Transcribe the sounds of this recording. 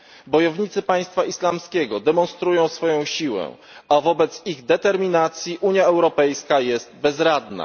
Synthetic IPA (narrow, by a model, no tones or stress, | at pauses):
bɔjɔvɲit̪sɘpaj̃st̪faislamskʲɛɡɔd̪ɛmɔnst̪ɾujɔ̃w̃sfɔjɔ̃w̃ɕiwɛ̰ | avɔbɛt̪siɣd̪ɛt̪ɛɾmʲinat̪sʲjiʔuɲjaɛwɾɔpɛjskajɛst̪bɛzɾad̪na̰